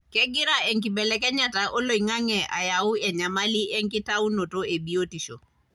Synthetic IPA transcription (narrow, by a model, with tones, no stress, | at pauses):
kɛ˦ɡɪ˦ɾa˦ɛ˨ŋkɪ˨bɛlɛ˦kɛ˦ɲa˦taʔo˦lo˨i˨ŋa˦ŋɛ˨a̰˨jaʊ˦ɛ˨ɲa˨mali˦ʔɛ˦ŋkɪ˦tau˦no˨to˦e˨bi˦o˦ti˨ʃo̰˨